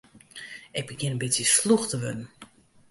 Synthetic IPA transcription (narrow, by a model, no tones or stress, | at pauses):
ɛpbəɡjɪnənbɪtsjəsluxtəʋødn̩